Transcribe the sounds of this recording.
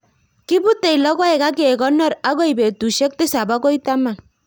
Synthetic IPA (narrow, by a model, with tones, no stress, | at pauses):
ki˦bu˦t̪e˨jlɔ˦ɡɔ˦ɛ˨ka˦k̬e˦˨ɡɔ˦nːɔ˦ɾa˦ɡɔ˦jbe˨t̪u˨ʃe˦k̚t̪i˦sa˨ba˦ɡɔ˦jt̪a˦ma˨